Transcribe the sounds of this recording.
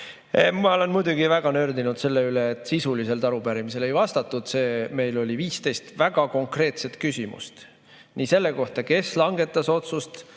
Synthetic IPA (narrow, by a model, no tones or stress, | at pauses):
mɑo̞le̞nmujd̪uɡ̥ivæɡ̥ɑnø̞rd̪inud̪̥se̞lːe̞yleːt̪ˑsisulise̞lt̪ɑɾupæɾimise̞le̞jvɑst̪ɑt̪ːˑud̪̥se̞ːme̞jlo̞lʲiviːst̪e̞jst̪væɡ̥ɑko̞ŋkre̞ːt̪se̞t̪kysimṵst̪ | niːse̞lːe̞ko̞ht̪ɑke̞slɑŋɡe̞t̪ːˑɑso̞t̪sust̪